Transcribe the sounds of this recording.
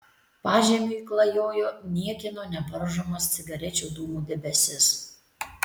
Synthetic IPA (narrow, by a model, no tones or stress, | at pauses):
pɑːʒʲiɛmʲuiklˠɐjoːjoːnʲiɛkʲɪnoːnʲɛbɐɾʒomɐst̪sʲɪɡɐɾʲɛt͡ʃʲoːd̪uːmuːd̪ʲɛbʲɛsʲɪs